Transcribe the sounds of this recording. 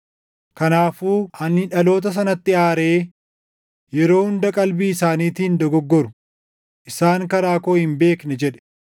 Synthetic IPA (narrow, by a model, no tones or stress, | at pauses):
kɐnaːfuːɐnːɪᶑɐlo̞ːt̪̬ɐs̬ɐnɐt̪ːɪaːɾe̞ː | jɛɾo̞ːhʊnd̪ɐkʼɐlbiːɪsaːniːt̪iːnd̪ɔɡɔɡːɔɾʊ | ʔɪsaːŋkɐɾaːkoːhɪmbe̞ːknɛd͡ʒɛᶑɛ̥